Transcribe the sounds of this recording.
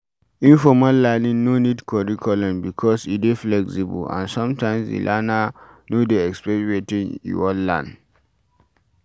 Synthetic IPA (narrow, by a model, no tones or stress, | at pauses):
ĩnfɔmalːanĩŋnonidkʰɔɹikʰɔlɔ̃mbikʰɔsideflɛksibṵlã̰nsɔ̃mtãɪ̃msdḭlʔana | nodeɛkspɛɹetĩnḭwɔlːã̰n